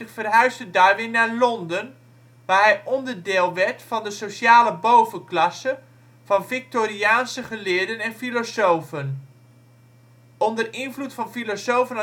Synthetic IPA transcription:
χfərɦœɥsdədaɹʋɪnaːɹlɔndən | ʋaːɹɦɛjʔɔndəɹdɪːlˠʋɛɹtfɑndəsoʃjaːləbowvənklɑsə | v̥ɑnfɪk̚toːriaːnsəχəlɪːɹdənɛnfilosowfən | ʔɔndərɪnvlutfɑnfilosowvən

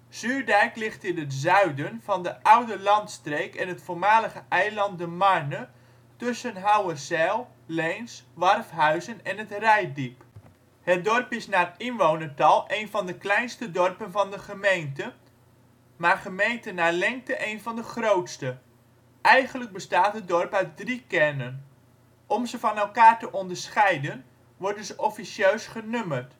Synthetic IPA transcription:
z̥yːɹdɛjklɪχtɪnətzœɥdənv̥ɑndəʔʌwdəlɑntstrejkɛnətfoːɹmaːləɣəʔɛjlɑnt̚dəmaɹnə | tʏsənɦawərsɛlˠ | lejnsʋɑrfɦœɥzənɛnətrɛjdip | hət̚dɔrpɪsnaːrɪnʋownəɹtɑlˠʔejnvɑndəklɛjnstədɔrpənvɑndəχəmejntə | maːrχəmejntənalɛŋk̚təʔejnvɑndəχrowtstə | ʔɛjχənləɡ̚bəstaːtɦət̚dɔrpœɥt̚drikɛrnən | ʔɔmzəfɑnɛlˠkaːɹtəʔɔndəɹsχɛjdən | ʋɔɹdənzəʔɔfisjøːsχənømərt

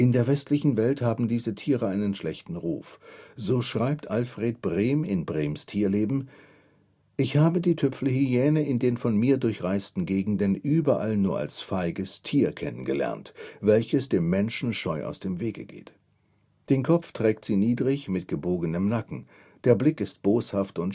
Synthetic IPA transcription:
ʔɪndeːɐvɛstlɪçn̩vɛlthaːbm̩diːzətʰiːʁəʔaɪnənʃlɛçtn̩ʁṵːfz̥oːʃʁ̥aɪp̚tʰʔalfʁ̥eːt̚b̥ʁeːmɪnbʁeːmstʰiːɐleːbm̩ | ʔɪçhaːbədiːtʰʏpfl̩hyɛːnəɪndeːnfɔnmiːɐdʊɐçʁaɪstn̩ɡeːɡŋ̩dənʔyːbɐʔalnuːɐa̰lsfaɪɡəstʰiːɐkʰɛnənɡəlɛ̰ɐntv̥ɛlçəsd̥eːmːɛnʃn̩ʃɔʏʔa̰ʊsd̥eːmveːɡə̰ɡḛːt | d̥eːnkʰɔpp͡ftʁ̥ɛːktz̥iːniːdʁɪçmɪt̚ɡ̥əboːɡənəmnakŋ̩ | d̥eːɐblɪkɪst̚b̥oːshaftʊnt

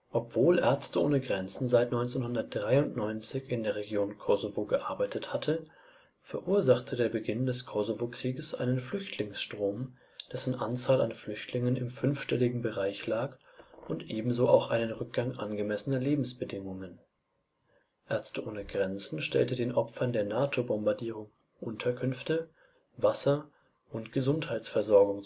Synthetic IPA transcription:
ʔɔpv̥oːlʔɛɐt͡stəo̰ːnəɡʁɛnt͡sn̩zaɪtnɔʏnt͡senhʊndɐt̚d̥ʁaɪʊntnɔʏnt͡sɪçɪndeːɐʁ̞eɡjoːnkʰɔzovoɡəʔaɐbaɪtʰəthatʰə | fɛɐʔuːɐzaχtʰədeːɐbəɡɪndɛskʰɔzovokʁ̥iːɡəsʔa̰ɪnənflʏçtʰlɪŋsʃtʁ̥oːm | d̥ɛsn̩ʔant͡saːlanflʏçtʰlɪŋənɪmfʏnfʃtɛlɪɡŋ̩bəʁaɪçlaːk | ʔʊntʔeːbm̩zoːʔa̰ʊxʔaɪnənʁʏk̚ɡ̥aŋʔa̰nɡəmɛsənɐleːbm̩sb̥ədɪŋʊŋən | ʔɛɐt͡stəʔoːnəɡʁɛnt͡sn̩ʃtɛ̰ltədeːnʔɔpfɐndeːɐnaːtʰobɔmbaɐdiːʁ̞ʊŋ | ʔʊntʰɐkʰʏnftə | vasɐ | ʔʊntɡ̥əzʊnthaɪsfɛɐzɔɐɡʊŋ

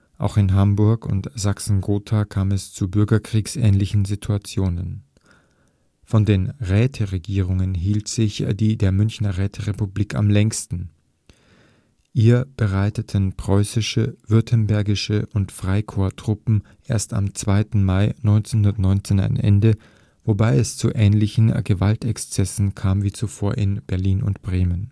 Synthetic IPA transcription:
ʔa̰ʊxɪnɦambʊɐkʊ̰ntz̥aksn̩ɡoːtʰakʰaːmɛst͡subʏɐɡɐkʁ̥iːksʔɛ̰ːnlɪçn̩zitʰuat͡sjoːnən | fɔndeːnʁɛːtʰəʁeɡiːʁ̞ʊŋənɦiːltz̥ɪçd̥iːdeːɐmʏnçnɐʁɛːtʰəʁepubliːka̰mlɛŋstn̩ | ʔiːɐb̥əʁaɪtətʰənpʁ̥ɔʏsɪʃəv̥ʏɐtʰənbɛɐɡɪʃəʔʊntfʁ̥aɪkʰoːɐtʁ̥ʊpm̩ʔeːɐsta̰mt͡sv̥aɪtn̩maɪnɔʏnt͡senhʊndɐtnɔʏnt͡seːna̰ɪnʔɛ̰ndə | vobaɪɛst͡suʔɛːnlɪçn̩ɡəvaltɛkst͡sɛsn̩kʰaːmviːt͡sufoːɐʔɪnb̥ɛɐliːnʊ̰ntb̥ʁeːmən

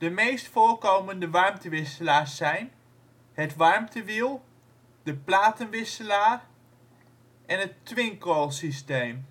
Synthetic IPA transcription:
d̥əmejstfoːɹkowməndəʋɑɹmtəʋɪsəlaːɹsɛjn | ɦətʋɑɹmtʰəʋilˠ | dəplaːtənʋɪsəlaːr | ʔɛnɦətʋɪŋkolˠsistejm

